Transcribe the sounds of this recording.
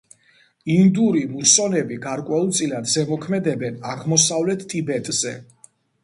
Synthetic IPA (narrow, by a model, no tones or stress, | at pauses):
ind̪uɾimusɔnɛbiɡaɾkʼwɛulˠt̪sʼilad̪zɛmɔkʰmɛd̪ɛbɛnaʁmɔsavlɛt̪ʰt̪ʼibɛt̪ʼz̥ɛ